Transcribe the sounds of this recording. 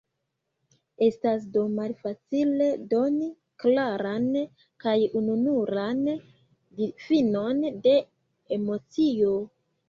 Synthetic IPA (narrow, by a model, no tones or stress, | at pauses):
e̞stas̬do̞malfat͡sile̞do̞ni | klaɾan | kajununuɾan | difino̞nde̞ | emo̞t͡sio̞